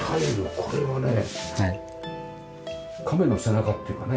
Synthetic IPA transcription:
haeɾɯkʰo̞ɾeβane | kʰame̞nosenakat̪ːejiɯ̟kane

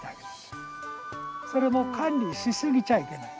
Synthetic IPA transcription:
ake̥ | so̞ɾe̞mo̞kʰãnʲɾʲiɕisɨɡʲit͡ɕaike̞na

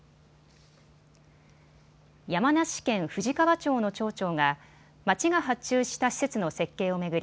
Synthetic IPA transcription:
jamanaɕi̥kẽ̞ɰ̃ɸɯ̟ʑikaβat͡ɕo̞ːno̞t͡ɕo̞ːt͡ɕo̞ːŋa | mat͡ɕiɡaɦatt͡ɕɨːɕi̥t̪aɕi̥se̞t͡sɨno̞se̞kːe̞ːo̞me̞ɡɯ̟ɾʲi

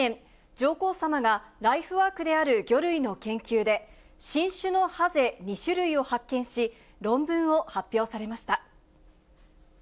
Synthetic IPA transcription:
ẽn | d͡ʑo̞ːko̞ːsamaɡaɾaiɸɯ̟βaːkɯ̟d̪e̞aɾɯ̟ɡʲo̞ɾɯ̟ino̞kẽ̞ŋkʲɨːd̪e̞ | ɕĩɰ̃ɕɨno̞haze̞ɲ̟iɕɨɾɯ̟io̞hakːẽ̞ɰ̃ɕi | ɾõ̞mbɯ̟̃ɰ̃o̞hapʲːjo̞ːsaɾe̞maɕi̥t̪a

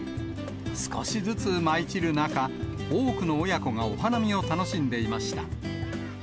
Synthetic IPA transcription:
sɨ̥ko̞̰ɕizɨt͡sɨmait͡ɕiɾɯ̟naka | oːkɯ̟no̞ːjako̞ŋao̞hanamʲio̞t̪ano̞ɕĩnd̪e̞imaɕi̥t̪a̰

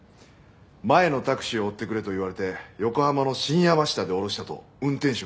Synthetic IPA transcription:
mae̞no̞t̪akɯ̟̥ɕioːt̪ːe̞kɯ̟ɾe̞t̪o̞iβaɾe̞t̪e̞jo̞ko̞hamano̞ɕĩɰ̃jabaɕi̥t̪ad̪e̞o̞ɾo̞ɕi̥t̪at̪o̞̰ | ɯ̟̃nt̪ẽ̞ɰ̃ɕo

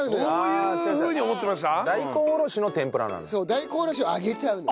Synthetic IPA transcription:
ɯ̃nojɯeɯːɲ̟iomot̪ːemaɕt̪ad̪aikoːɾo̞ino̞t̪ẽ̞mpɯ̟ɾa̰na̰nso̞ːd̪aiko̞ːɾo̞ɕioaɡe̞t͡ɕaɯ̟̃no

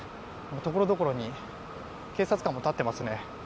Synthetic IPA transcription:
mot̪o̞ko̞ɾo̞d̪o̞ko̞ɾo̞ɲ̟i | ke̞ːsat͡sɨ̥kãmo̞t̪at̪ːe̞masɨne̞

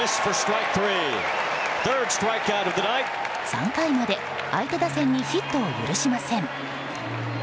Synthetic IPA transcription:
ɪsfə˞stɹ̥aɪk̚θɹi | θɜ˞dstɹ̥aɪkaʊɾʌvðɨnaɪt̚ | sã̰ŋkaimad̪e̞ | ait̪e̞d̪asẽɲ̟ːiçit̪ːo̞ːjɯ̰ɾɯ̟ɕimasẽ̞ŋ

